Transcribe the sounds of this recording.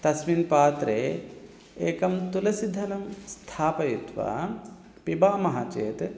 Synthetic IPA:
t̪ɐsminpaːt̪ɾeː | eːkɐmt̪ulɐsid̪ʱːɐnɐmst̪ʰaːpɐjut̪ʋɐ̰ | pibaːmɐɦat͡ʃeːt̪

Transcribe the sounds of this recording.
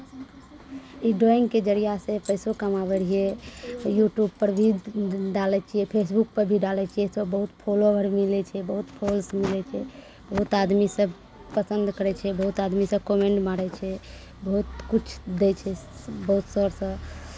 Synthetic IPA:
iɖoiŋɡked͡ʒəɾijasẽpəjsokəmabəɾiejuʈjubpəɾbʱiɖalɛt͡ʃʰiɛpʰes̬buk̚pəɾbʱiɖalɛt͡ʃʰiɛsəbəɦut̪pʰolobʱəɾmilɛt͡ʃʰɛbəɦut̪pʰolsmilɛt͡ʃʰɛ | bəɦut̪ad̪misəb | pəsənd̪kəɾɛt͡ʃʰɛbəɦut̪ad̪misə̃komeɳʈmaɾɛt͡ʃʰɛ | bəɦut̪kut͡ʃʰd̪et͡ʃʰɛbəɦut̪səɾsə̃

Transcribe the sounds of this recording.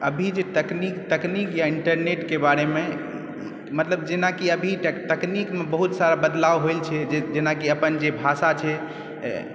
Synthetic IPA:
əbʱid͡ʒet̪əknikt̪əknikjaiɳʈəɾneʈkebaɾeme | mət̪ləbd͡ʒenakiəbʱit̪əknikmebəɦut̪saɾabəd̪lawɦojlt͡ʃʰɛd͡ʒed͡ʒenakiəpənd͡ʒebʱasat͡ʃʰɛ̰

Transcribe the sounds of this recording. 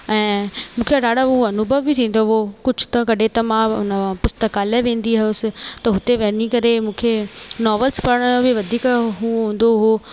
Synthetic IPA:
ɛ̃ːmũːkʰeɖaːɽaɦũɐnʊbʱəʋbɪt̪ʰĩːn̆d̪oɦokʊd͡ʒʱʊ̥t̪ɐkɐɖʱet̪ɐmãʊ̰nəpʊst̪əkaːleʋẽːn̆d̪iɦɐjʊsɪ̆t̪ɐɦʊt̪eʋɐnikɐɾemũːkʰenɔːʋəlspɐɾəɽ̃jõbɪʋɐd̪ʱiːkɦũɦũːn̆d̪oɦoː

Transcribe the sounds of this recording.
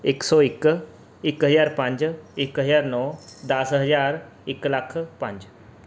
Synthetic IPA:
eksɔːɪk | ɪkɦəzaːɾpãɲd͡ʒɪkɦəzaːɾnɔːd̪ɐsɦəzaːɾ | ɪklakʰpə̃ɲd͡ʒ

